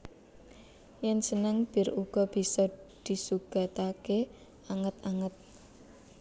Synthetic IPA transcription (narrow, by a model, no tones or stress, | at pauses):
jɛnsənəŋb̥ɪ̤ɾuɡ̥ɔb̥i̤sɔd̪̥i̤suɡ̥a̤t̪ake | aŋət̪aŋət̪̚